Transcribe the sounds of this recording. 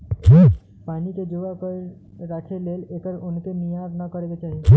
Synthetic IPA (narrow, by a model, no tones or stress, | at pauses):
paːniked͡ʒoakə | ɾaːkʰeleːleːkəɾʊnkemijaːɾnakəɾeɡet͡ʃaːɦie